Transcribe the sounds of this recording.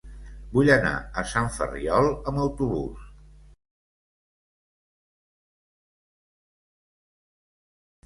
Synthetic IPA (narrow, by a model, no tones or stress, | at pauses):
buʎəna̰əsaɱfə̰riɔlˠəməwt̪uβṵs